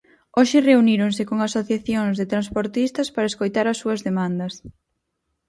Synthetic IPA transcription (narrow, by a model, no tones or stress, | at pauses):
oʃɪreuniɾoŋsɪkoŋasoθjaθjoŋzðet̪ɾanspoɾt̪ist̪ɐspaɾɐeskojt̪aɾɐsːuɐzðemãnd̪ɐs